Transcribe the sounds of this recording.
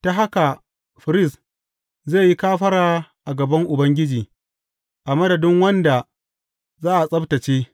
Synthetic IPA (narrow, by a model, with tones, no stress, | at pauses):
ta˦ɦa˦ka˨ | ɸɪ˨ɾɪ˦s | ze˦˨ji˦kaː˦ɸɐ˦ɽaː˨ʔa˨ɡɐ˨bɐ˦ŋʔʊ˨bɐ˦ŋɡʲɪ˦d͡ʒiː˨ | ʔa˨mɐ˦dɐ˨dɪ˦ŋwɐ˦nda˨ | zaː˦ʔa˨sʼɐ˦btɐ˨t͡ʃeː˦